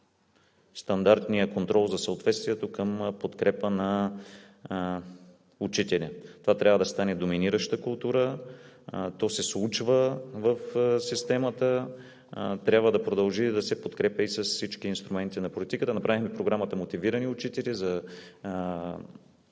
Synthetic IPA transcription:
st̪ɐnd̪aɾt̪nijəkont̪ɾɔlˠzɐsəot̪vɛt̪st̪viɛt̪okəmpot̪kɾɛpənɐ | ut͡ʃit̪ɛlʲit̪ovat̪ɾʲavəd̪ɐst̪anɛd̪ominiɾəʃt̪əkʊlˠt̪uɾə | t̪ɔsɛsˠut͡ʃvəvəfsist̪ɛmət̪ə | t̪ɾʲjabvəd̪ɐpɾod̪ɐlˠʒid̪ɐsɛpot̪kɾɛpʲjəisɐssit͡ʃkiːnst̪ɾumɛnt̪inɐpolʲit̪ikət̪ənɐpɾavixmɛpɾoɡɾamət̪əmot̪iviɾəniʊt͡ʃit̪ɛlizɐ

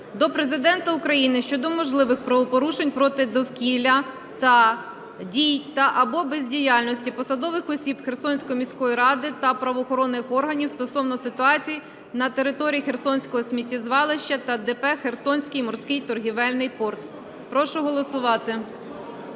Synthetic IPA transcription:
d̪ɔpɾezɪd̪ɛnt̪ɐukɾɐjinɪʃt͡ʃɔd̪ɔmɔʒlˠɪʋɪxpɾɐʋɔpɔɾuʃenʲpɾɔt̪ɪd̪ɔwkʲilʲɐ | t̪ɐ | dʲijt̪ɐʔɐbɔbezʲdʲijɑlʲnɔsʲtʲipɔsɐd̪ɔʋɪxɔsʲibxersɔnʲsʲkɔjɔmʲisʲkɔjiɾɑd̪ɪt̪ɐpɾɐʋɔːxɔɾɔnːɪxɔrɦɐnʲiwst̪ɔsɔwnɔsɪt̪ʊɑt͡sʲiji | nɐt̪e̞ɾɪt̪ɔɾʲiixe̞rsɔnʲsʲkɔɦɔsʲmʲitʲːizʋɑlˠɪʃt͡ʃɐt̪ɐd̪ɛpɛxersɔnʲsʲkɪjmɔrsʲkɪjt̪ɔrɦʲiʋɛlʲnɪjpɔrt̪ | pɾɔʃʊɦɔlˠɔsʊʋɑt̪ɪ

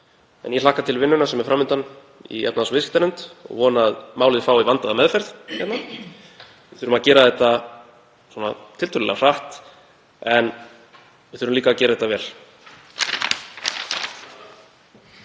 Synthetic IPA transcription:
ɛ̰njɛl̥aːhkat̪ʰɪlvɪnːʏnasɛmɛɾfɾaːmːʏnt̪an | ḭɛ̰t̪naðsɔvɪskɪ̥t̪aɾʏnt̪ɔ̰ɣvɔːnaðmaːwlɪðfaːwivant̪aðamɛðfɛɾðçɛt̪na | vɪθʏɾʏmaðcɛːɾaðɛht̪ːa | swɔːna̰t̪ʰɪlt̪ʏlɪlɛ̰ɣar̥aht̪ | ɛn | vɪ̥θʏɾʏmliːkaːcɛɾaðɛ̥t̪avɛːl

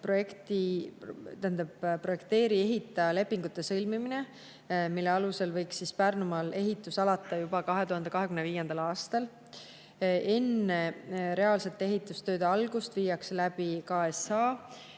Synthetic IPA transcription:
pro̞je̞kt̪i | t̪ænd̪ebpro̞je̞kt̪e̞ːɾie̞ɦit̪ːˑɑle̞pːiŋɡut̪ːˑe̞sɤlmimine̞ | milːe̞ɑluse̞lvɤjksːispærnumɑle̞ɦit̪ːˑusɑlɑt̪ːˑɑjubɑkɑɦet̪uhɑnd̪e̞kɑɦe̞kymnviːje̞nd̪̥ɑlɑːst̪ɑl | e̞nːe̞ɾe̞ɑːlse̞t̪ːˑe̞ɦit̪ˑːust̪ø̞ːd̪eɑlɡ̥ust̪viːjɑkselæb̥ikɑːe̞sɑː

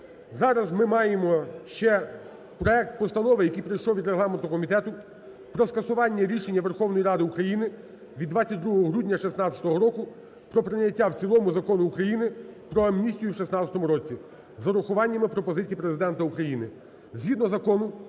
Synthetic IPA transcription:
zɑɾɐzmɪmɑjemɔʃt͡ʃɛ | pɾɔɛk̚t̪̚pɔst̪ɐnɔʋɪjɐkijpɾɐjʃlɔwʋʲid̪ɾeɦlˠɑment̪ɔkɔmʲit̪ɛt̪ʊ | pɾɔskɐsʊʋɑnʲːɐɾʲiʃenʲːɐʋerxɔwnɔjiɾɑd̪ɪukɾɐjinɪ | ʋʲid̪ʋɑt͡sʲːɐt̚ʲd̪ɾuɦɔɦɔɦɾʲudʲnʲɐʃisnɑt͡sʲɐ̥t̪ɔɦɔɾɔkʊ | pɾɔpɾɪnʲɐtʲːawt͡sʲilˠɔmʊzɐkɔnʊːkɾɐjinɪpɾɔɐmnʲisʲtʲijʊwʃisnɑɐt̪ɔmʊɾɔt͡sʲi | zɐɾʊxʊʋɑnʲːɐmɪpɾɔpɔzɪt͡sʲijipɾezɪd̪ɛnt̪ɐukɾɐjinɪ | zɦʲid̪nɔzɐkɔnʊ

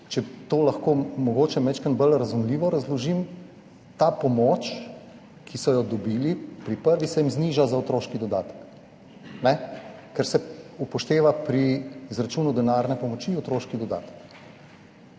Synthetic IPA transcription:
t͡ʃɛt̪oːlɐxkoːmɔɡoːt͡ʃɛmɛt͡ʃkənbəlɾazumliːʋɔɾazlɔʒim | t̪apɔmɔːt͡ʃ | kʰisɔjɔd̪ɔbiːlipɾipəɾʋisɛjimzniʒazaot̪ɾoːʃkid̪ɔd̪aːt̪ə̥k | nɛkɛɾsɛupɔʃt̪eːʋapɾiːzɾat͡ʃuːnud̪ɛnaːɾnɛpɔmɔt͡ʃiɔt̪ɾoːʃkid̪ɔd̪a̰ːt̪ə̥k

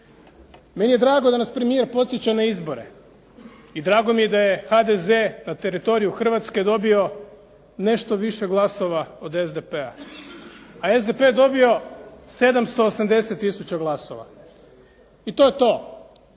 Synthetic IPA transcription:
me̞nijed̪ɾaːɡo̞d̪anaspɾe̞mije̞ɾpo̞t̪sjet͡ɕanaizbo̞ɾe̞̰ | id̪ɾaːɡo̞mije̞d̪aje̞xad̪ezenat̪e̞ɾit̪o̞ɾijuxr̩ʋat̪ske̞d̪o̞bio̞ | ne̞ʃt̪o̞ʋiʃe̞ɡlˠaso̞ʋao̞d̪e̞zd̪epea̰ | ae̞zd̪e̞pe̞d̪o̞bio̞se̞d̪amst̪o̞ːsamd̪e̞se̞t̪ːisut͡ɕaɡlˠaso̞̰ʋa̰ | it̪o̞je̞t̪o̞ː

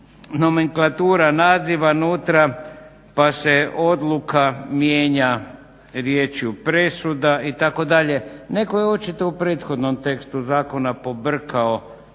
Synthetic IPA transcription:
no̞meŋklˠat̪uːɾanaːziʋanuːt̪ɾa | pase̞o̞d̪lˠukamjeːɲa | ɾjeːt͡ʃjupɾe̞sud̪ait̪ako̞d̪aʎe̞ne̞kojeot͡ʃit̪o̞upɾe̞ːt̪xo̞d̪no̞mt̪e̞kst̪uzaːko̞napo̞br̩kao

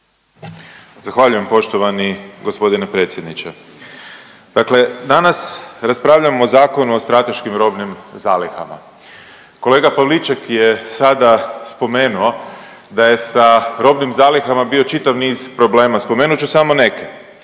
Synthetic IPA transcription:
zaxʋaʎujempo̞ʃt̪oʋaniɡospo̞d̪inepɾe̞t̪sje̞d̪nit͡ʃe | d̪̥akle̞d̪anasɾaspɾaːʋʎamozaːko̞nuost̪ɾat̪e̞ʃkimɾo̞bnimzaːlixa̰ma̰ | ko̞le̞ːɡapaʋlit͡ʃakjesad̪aspo̞me̞ːnuo̞ | d̪aje̞saɾo̞bnimzaːlixamabio̞t͡ʃit̪aʋniːz̥pɾo̞ble̞ːmaspo̞meːnut͡ʃusamo̞ne̞ke

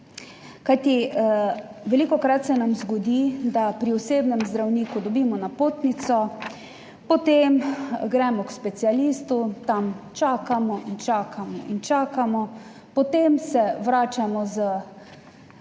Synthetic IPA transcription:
kajt̪i | ʋɛliːkɔkɾat̪sɛnamzɡɔd̪id̪apɾiɔseːbnɛmzd̪ɾawniːkud̪ɔbiːmɔnapoːt̪nit̪sɔ | pɔt̪emɡɾɛmɔkspɛt̪sialiːst̪ut̪amt͡ʃaːkamɔʔint͡ʃaːkʰamɔint͡ʃaːkamɔ | pɔt̪emsɛʋɾaːt͡ʃamɔzə

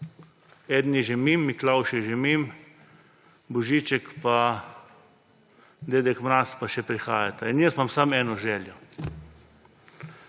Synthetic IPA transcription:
ɛːd̪njɛʒɛmimːiklawʃɛʒɛmim | bɔʒiːt͡ʃɛkpa | d̪eːd̪ɛkmɾaːspaʃɛpɾixaːjat̪ainjɛsmamsamɛːnɔʒɛːljɔ

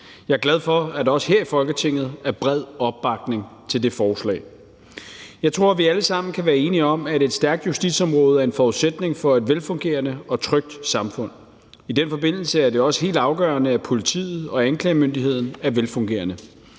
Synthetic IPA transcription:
jɑ̈ɪɐɡ̥læð̞ˠfɒ̽æd̥ɒ̽sə̥ɦe̝ɐ̰ifɒ̽lɡ̥ət͡sʰe̝ŋ̰ð̞̩ˠæɐb̥ʁɛð̞̰ˠɒ̽b̥ːɑ̈ɡ̥ne̝ŋt͡sʰe̝ld̥e̝fɒːslɛ̰ːɪ | jɑ̈ɪt͡sʰʁo̝ɐ̰ʋiæləsɑ̈m̰n̩kʰæʋæːɐe̝ːniɒ̽mæde̝d̥sd̥æɐɡ̥̚d̥jusd̥id̥sɒ̽mʁɔ̽ːð̞̩ˠæɐe̝nfɒuðˠsed̥ne̝ŋfɒ̽e̝d̥ʋelfɔ̽ŋɡ̥e̝̰ːɐnəɒ̽t͡sʰʁœɡ̥̚d̥sɑ̈mfɔ̽n̰ | id̥enfɒ̽be̝n̰l̩səæɐd̥e̝ɒ̽sə̥ɦe̝̰ːld̥ɑ̈ʊɡ̥ɶ̰ːɐnəæpʰo̝lit͡sʰḭːð̞̩ˠɒ̽ænkʰlɛɪmønd̥iɦe̝ð̞̰ˠn̩æɐʋelfɔ̽ŋɡ̥e̝̰ːɐnə

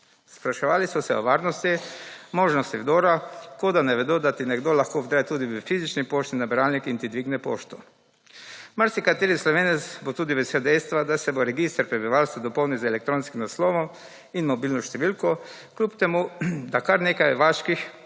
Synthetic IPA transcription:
spɾaʃɛʋaːlisɔsɛo̰ʋaːɾnɔst̪imoːʒnɔst̪iwd̪oːɾakod̪anɛʋɛd̪od̪at̪inɛɡd̪olaxkoːd̪ɾaːjt̪uːd̪iʋɛfizit͡ʃnipoːʃt̪inabɛɾaːlnikint̪id̪ʋiːɡnɛpo̰ːʃt̪u | maɾsikat̪eːɾislɔʋeːnɛsbot̪uːd̪iʋɛseld̪ɛjst̪ʋad̪asɛboɾɛɡist̪ɛɾpɾɛbiʋaːlst̪ʋad̪ɔpɔwnizeɛlɛk̚t̪ɾoːnskimnasloʋɔm | inmɔbilnɔʃt̪ɛʋilko | klʲupt̪ɛmud̪akaɾneːkajʋaːʃkix

